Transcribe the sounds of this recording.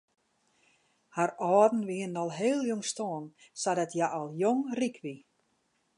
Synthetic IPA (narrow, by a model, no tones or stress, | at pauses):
haɾɔːdn̩ʋiənnɔlˠɦeːlˠjoŋstoːənsadɛtjaʔɔlˠjoŋrikʰʋi